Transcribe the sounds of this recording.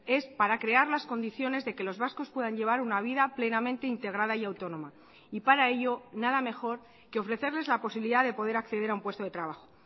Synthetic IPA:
e̞spaɾakɾe̞aɾlasko̞nd̪iθjo̞ne̞zðe̞ke̞lo̞zβasko̞spwe̞ðaɲʎe̞β̞aɾunaβ̞iðaple̞namẽ̞nt̪e̞int̪e̞ɣɾaðaiawt̪o̞nõ̞ma | ipaɾae̞ʎo̞naðame̞xo̞ɾ | ke̞o̞fɾe̞θe̞ɾle̞zlapo̞siβiliðaðe̞po̞ð̞e̞ɾakθe̞ð̞e̞ɾaumpwe̞st̪o̞ð̞e̞t̪ɾaβaxo̞̥

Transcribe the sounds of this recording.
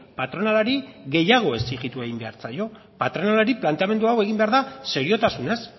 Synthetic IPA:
pat̪ɾo̞nalaɾiɣe̞jaɣ̞o̞e̞siɣit̪ue̞ɣimbe̞aɾt͡sajo̞ | pat̪ɾo̞nalaɾiplant̪e̞ame̞nd̪uawe̞ɣimbe̞aɾðase̞ɾio̞t̪asune̞s

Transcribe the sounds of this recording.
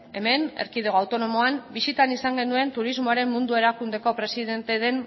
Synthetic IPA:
e̞me̞neɾkiðeɣo̞awt̪o̞no̞mo̞ambisit̪anisaŋɡe̞nue̞nt̪uɾizmo̞aɾe̞mmund̪ue̞ɾakund̪e̞ko̞pɾe̞siðe̞nt̪e̞ðe̞n

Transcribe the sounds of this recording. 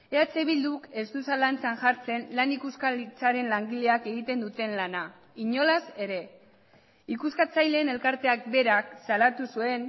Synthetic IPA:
e̞at͡se̞βild̪uke̞st̪usalant͡sanʝaɾt͡se̞nlanikuskalit͡saɾe̞nlaŋɡile̞ake̞ɣ̞it̪e̞nd̪ut̪e̞nlana | iɲo̞lase̞ɾe̞ | ikuskat͡sajle̞ːne̞lkaɾt̪e̞ak̚be̞ɾaksalat̪usue̞n

